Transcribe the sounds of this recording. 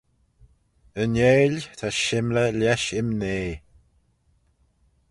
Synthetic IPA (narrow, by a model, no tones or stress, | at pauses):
əneːlʲt̪ʰaʃɪmləlɛʃɪmneː